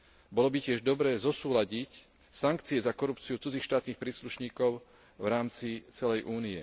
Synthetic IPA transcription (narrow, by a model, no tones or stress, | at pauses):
bɔlɔbicɪɛʒd̪ɔbɾɛːzɔsuːlaɟic | saŋkt͡siɛzakɔɾupt͡siut͡sud͡ziːxʃt̪aːt̪niːxpɾiːsluʃɲiːkɔʊ | vɾaːmt͡sit͡sɛlɛjʔuːniɛ̰